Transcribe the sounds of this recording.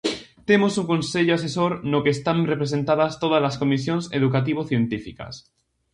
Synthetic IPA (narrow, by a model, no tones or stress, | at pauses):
t̪e̞mosuŋkonse̞ʎoas̬e̞soɾnokest̪anrepɾese̞nt̪aðast̪oð̞azlasko̞mis̬jonseðukat̪̬iβ̞oθje̞nt̪ifika̰s